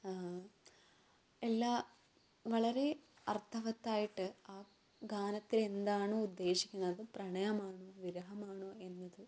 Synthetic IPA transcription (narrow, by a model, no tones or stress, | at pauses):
a | elːaː | ʋɐɭɐɾe̞ | ɐrt̪ʰɐʋɐt̪ːaːjiʈːɨaː | ɡaːnɐt̪ːile̞nd̪aːɳuud̪ːe̞ːɕi̥kʲːunːɐðɨprɐɳɐjɐmaːɳuʋiɾɐɦɐmaːɳoe̞nːɐðɨ